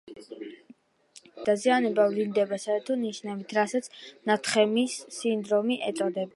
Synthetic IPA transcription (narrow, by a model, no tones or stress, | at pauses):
d̪̥azianɛbavlind̪ɛbasaɛɾt̪ʰɔniʃnɛbit̪ʰɾasat̪sʰnat̪ʰχɛmisːind̪ɾɔmiʔɛt̪sʼɔd̪ɛb